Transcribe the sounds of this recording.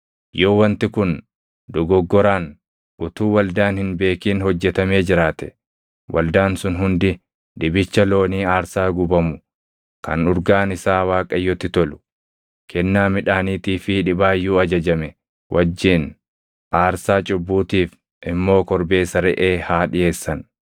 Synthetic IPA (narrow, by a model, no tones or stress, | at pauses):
joːwɐnt̪ɪkʊn | d̪ɔɡɔɡːɔɾaːn | ʔʊt̪uːwɐld̪aːnhɪnbe̞ːkiːnhɔd͡ʒːɛt̪ɐme̞ːd͡ʒɪɾaːt̪ɛ̥ | wʔɐ̰ld̪aːnsʊnɦʊnd̪ɪ | ᶑ̪ɪbɪt͡ʃːɐlo̞ːniːaːɾsaːɡʊbɐmʊ | kɐ̰nʊɾɡaːnɪsaːwaːkʼɐjːɔt̪ːɪt̪ɔlʊ̥ | kʰɛnːaːmɪᶑaːniːt̪iːfɪᶑɪbaːjːuːɐd͡ʒɐd͡ʒɐmɛ | wʔɐd͡ʒːiːn | ʔaːɾsaːt͡ʃʼʊbːuːt̪iːf | ʔɪmːo̞ːkɔɾbe̞ːsɐɾɛʔeːhaːᶑɪje̞ːsːɐn